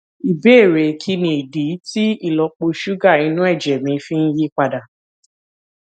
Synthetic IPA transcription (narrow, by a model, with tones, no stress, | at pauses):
i˨be˨˦˨ɾe˨kʰi˧nĩ˨i˨di˨˦ti˦i˦˨lɔ˧k͡po˧ʃu˦ɡa˦˨i˨˧nũ˦ɛ˦˨d͡ʒɛ˨mĩ˨˧˦fĩ˦n̩˦ji˦k͡pa˧da˨